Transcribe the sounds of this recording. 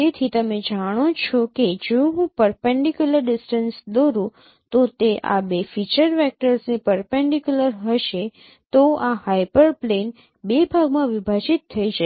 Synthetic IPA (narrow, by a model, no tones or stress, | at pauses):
et̪ʰit̪əmed͡ʒaɽ̃ot͡ʃʰɔked͡ʒõɦũpəɾpɛɳɖikjuləɾɖɪsʈənsd̪oɾũ | t̪ot̪eʔa̰befit͡ʃəɾʋɛk̚ʈəɾsnepəɾpɛɳɖikjuləɾɦəʃe | t̪oahajpəɾplen | bebʱaɡmãʋibʱad͡ʒit̪ʰːəid͡ʒʃ